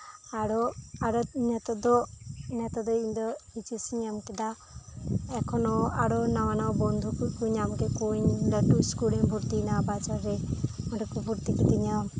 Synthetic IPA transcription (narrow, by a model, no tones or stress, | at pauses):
aɽɔaɽɔnɛt̪ɔd̪ɔnɛt̪ɔd̪ɔind̪ɔit͡ʃisiɲamkɛd̪a | ɛkʰɔnɔaɽɔnawanawbɔnd̪ʱukukuɲamkɛkuɲlɔʈuskuliŋbʱuɾt̪inabad͡ʒɔɾe | ɔʈɔkubʱuɾt̪ikit̪iɲam